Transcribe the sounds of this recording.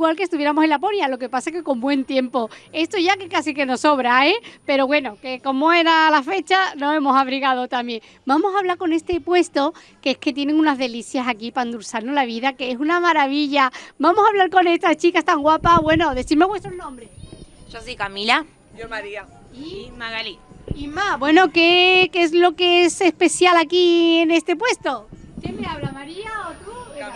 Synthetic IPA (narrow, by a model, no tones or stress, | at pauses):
ɣwalkest̪uβje̞ɾamose̞lapo̞ɾjalo̞ke̞pasaekekõ̞mbwe̞nt̪je̞mpo̞e̞st̪oʝakekasike̞no̞so̞βɾaepe̞ɾo̞βwe̞no̞ke̞ko̞moe̞ɾalafe̞t͡ʃano̞e̞mo̞saβɾiɣaðot̪amjẽ̞ŋ | bamo̞saβlaɾko̞ne̞st̪e̞pwe̞st̪o̞ | keeske̞t̪je̞nẽ̞ŋunazðe̞liθjasakipand̪uɾsaɾnolaβ̞iðakeesunamaɾaβiʎabamo̞saβlaɾko̞ne̞st̪ast͡ʃikast̪aŋɡwapaβwe̞no̞ðe̞sθiɾmeβwe̞st̪ɾoznõmbɾesʃosikamila | aɾia | imaɣaliimabwe̞no̞ke̞kezlo̞keesespe̞θjalakiene̞st̪e̞pwest̪o̞kemeaβlamaɾiaot̪u